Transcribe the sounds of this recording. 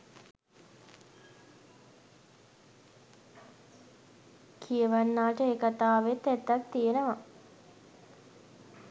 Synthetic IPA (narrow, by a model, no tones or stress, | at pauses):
kʰijəʋanːaːʈəekat̪aːʋet̪ːɛt̪ːak̚t̪ijenəʋa